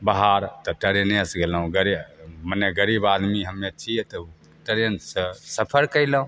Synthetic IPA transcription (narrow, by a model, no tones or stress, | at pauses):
baɦaɾt̪ɔʈəɾenesɡeləɦũɡəɾiməneɡəɾibad̪miɦəmːet͡ʃʰit̪ɔ | ʈəɾənssəpʰəɾkəɪləũ